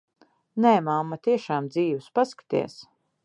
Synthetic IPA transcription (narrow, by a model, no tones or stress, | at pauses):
nɛːmamːat̪iɛʃaːmd̪ziːwuspaskḁt̪ḭɛs